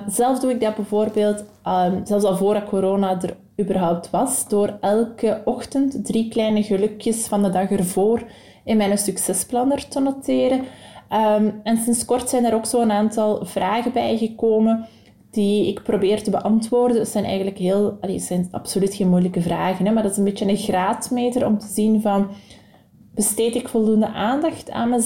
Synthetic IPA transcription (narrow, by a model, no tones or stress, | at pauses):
zɛlˠvzduɪɡ̚dɑbɛvoːrbeːlˠt | mzɛlˠfsɑlˠvoːrdɑkoɾoːnadər | yːbərɦɔwp̚tʋɑsd̥oːrɛlˠkəɔxtəntdriklɛjnəɣəlɵkjəsfɑndədɑxərvoːr | ɪnmɛjnəsyksɛsplɑnərtənotɪːɾəʔəmɛnsɪnskɔrtsɛjndaːɾoːksoːənaːntɑlˠvraːɣəbɛjɣəkoːmən | d̥iɪkprobeːrtəbəʔɑntʋoːrdənsɛjnɛ̰jɣənləkɦeːlˠɑlḛəz̥ɛjnɑ̰psolytxeːnmujləkəvraːɣənɛmardɑtɪ̥zənbeːt͡ʃənəɣraːtmeːtərɔ̰mtəzinvɑn | b̥əsteːtɪkfɔlˠdundəʔaːndɑxtʰa̰ːnmə